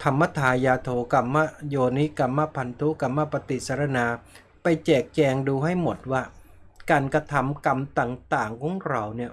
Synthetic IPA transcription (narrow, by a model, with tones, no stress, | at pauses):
t̪ʰa˧mːa˦˥˨t̪ʰaː˧jaː˧t̪ʰoː˧ka˧mːa˥˩joː˧ni˦˥ka˧mːa˦˥pʰa˧nt̪ʰu˦˥ka˧mːa˦˥˩pa˧t̪i˨˩sa˧ɾa˧naː˧ | pa˧jt͡ɕɛː˨˩k̚t͡ɕɛː˧ŋduː˧ɦa˥˩jmo˨˩t̪̚waː˥˩ | kaː˧nkɾa˧t̪ʰa˧mka˧mt̪aː˨˩ŋt̪aː˨˩ŋkʰɔː˨˦ŋɾa˧wni˥˩ɐ